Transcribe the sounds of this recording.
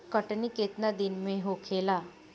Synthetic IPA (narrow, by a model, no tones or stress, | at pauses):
kəʈniket̪nad̪ɪnmẽɦokʰeːlaː